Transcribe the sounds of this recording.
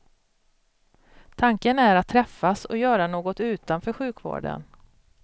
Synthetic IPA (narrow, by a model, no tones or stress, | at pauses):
t̪ʰaŋkənæɾat̪ʰːɾɛfːasɔ̰jœːɾanoːɡɔt̪ʉ̟ːt̪anfœːɾɧʉ̟ːkvo̰ːɖə̰n